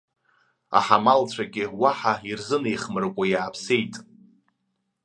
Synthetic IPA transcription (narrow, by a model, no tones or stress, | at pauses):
a̰ħamalt͡sʷʰaɡʲɪwaħairzɨnejχmɨrkʷʼajaːpʰsejtʼ